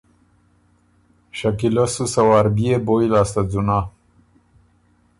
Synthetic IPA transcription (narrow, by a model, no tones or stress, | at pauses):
ɕakilosusawaɾbieboilast̪ad͡zuna